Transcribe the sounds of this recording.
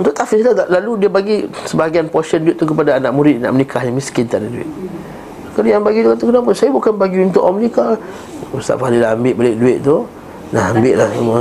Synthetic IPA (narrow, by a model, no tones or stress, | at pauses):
nt̪uʔt̪afislaaʔlaludiəbaɡisəbaɡianpɔsənduɪʔ̪̚t̪ːukəpadaːnaʔ̚muɾɪʔ̪̚na̰ʔmənikʰahjaŋmiskɪnt̪adaduɪ̰ʔ̪̚ | kanajaŋbaɡit̪ukat̪ukənap̬ʊnsajabukanbaɡiunt̪ʊʔɔmənika | ust̪a̰ʔfalilaambɪʔbalɪʔ̚duɪʔ̪̚t̪u | naɦambɪʔlahuma